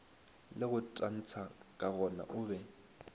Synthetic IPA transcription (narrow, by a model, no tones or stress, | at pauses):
lɪɣʊtʼan̩t͡sʰakʼaɣɔna̰ʔʊːβɛ